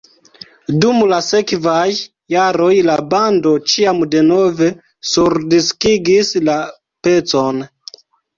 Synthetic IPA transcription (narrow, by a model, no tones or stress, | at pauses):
dumlase̞kvajː | aɾo̞jlabando̞t͡ʃiamde̞no̞ve̞ | suɾdiskiɡisla | pe̞t͡so̞n